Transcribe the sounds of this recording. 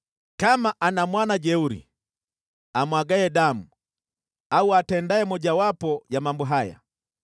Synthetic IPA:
kamaʔanamwanad͡ʒɛuɾḭ | amwaɡaɛɗamu | auatɛndaɛmɔd͡ʒawapɔjamambɔɦaja̰

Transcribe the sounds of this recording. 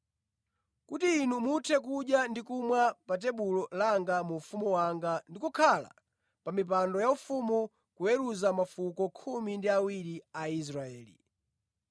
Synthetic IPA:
kutiːnumutʰɛk̬uɗjandikumwapat̬ɛɓulɔlaŋɡamufumuwaŋɡandikukʰala̰ | pamip̬andɔjaufumu | kuɛɾuzamafukɔkʰumindiawiɾiais̬ɾaɛːlḭ

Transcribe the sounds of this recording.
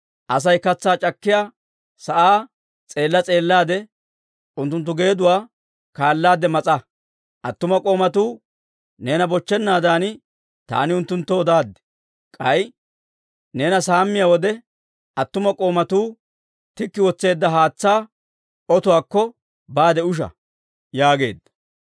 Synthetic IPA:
ʔɐs̬ɐjkɐt͡sːaːt͡ʃʼɐkːɪjaː | sɐʔaː | t͡sʼe̞ːlːɐt͡sʼe̞ːlːaːd̪ɛ | ʊnt̪̬ːʊnt̪ːʊɡe̞ːd̪ʊwaː | kaːlːaːd̪ɛmɐt͡sʼɐ | ʔɐt̪ːʊmɐkʼo̞ːmɐt̪uː | ne̞ːnɐbɔt͡ʃːɛnːaːd̪aːnɪ | t̪a̰ːnɪʊnt̪ːʊnt̪ːɔɔd̪aːd̪ːɪ̥ | kʼɐj | ne̞ːnɐsaːmːɪjawɔd̪ɛ | ɐt̪ːʊmɐkʼo̞ːmɐt̪uː | t̪ɪkːɪwɔt͡sːe̞ːd̪ːɐɦaːt͡sːaː | ɔt̪ʊwaːkːɔ | baːd̪ɛʊʃ̬ɐ̰ | jaːɡe̞̰ːd̪ːɐ̥

